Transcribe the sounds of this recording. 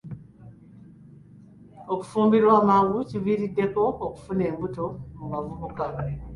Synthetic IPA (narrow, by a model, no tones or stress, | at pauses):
oku̥fuːmbiɾwaːmaɣuciβiɾidːe̞ko̞ːku̥fune̞ːmbuto̞mmavuβuka